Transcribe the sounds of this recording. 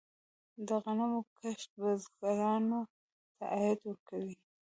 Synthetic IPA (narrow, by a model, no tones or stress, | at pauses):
d̪əɣanamokaʃt̪̚bazɡaɾɑno | t̪aʔajɪd̪wəɾkawi